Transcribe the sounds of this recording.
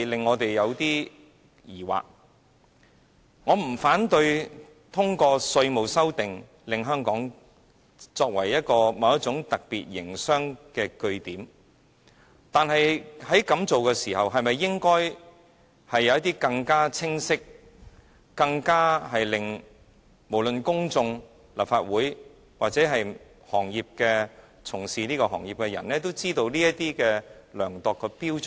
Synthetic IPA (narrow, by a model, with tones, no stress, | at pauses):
lɪ˨ŋːɔː˨˧t̪e˨jjɐ˨˧wt̪iː˥ | jiː˨˩wa̰ː˨k̚ | ŋɔː˨˧m̩˨˩faː˨˥nt̪ɵ˧ɥ | t̪ʰʊ˥ŋkɔː˧sɵ˧ɥmo˨wsɐ˥wt̪ɪ˨ŋ | lɪ˨ŋɦœː˥ŋkɔː˨˥ŋ | t͡sɔː˧k̚wɐ̰˨˩jːɐ˥t̚kɔː˧mɐ˨˧wɐ˥t͡ʃʊ˨˥ŋt̪ɐ˨k̚pḭː˨t̚jɪ̰˨˩ŋsœː˥ŋkɛː˧kɵ˧ɥt̪iː˨˥m | t̪aː˨nɦɐ˨jhɐ˨˥jkɐ˨˥mt͡so˨wkɛː˧siː˨˩ɦɐ˨wɦɐ˨jmɐ˨jːɪ˥ŋkɔː˥j | hɐ˨jːɐ˨˧wjɐ˥t̪iː˥kɐ˧ŋkaː˥t͡sʰɪ˥ŋsɪ˥k̚ | kɐ˧ŋkaː˥ɦɐ˨jlɪ˨ŋ | mo˨˩wlɵ˨nkʊ˥ŋt͡sʊ˧ŋ | lɐ˨p̚faː˧t̚wuː˨˥j | waː˨k̚t͡sɛː˨˥ɦɐ˨j | hɔː˨˩ŋjiː˨p̚kɛː˧ | t͡sʰʊ˨˩ŋsiː˨niː˥kɔ˧ɦɔ̰ː˨˩ŋjiː˨p̚kɛ˧jɐ̰˨˩nlɛː˥t̪o˥wt͡siː˥t̪o˧wliː˥jɐ˥tt̪iː˥kɛː˧lœː˨˩ŋt̪ɔː˨kʰːɵ˧piː˥wt͡ʃ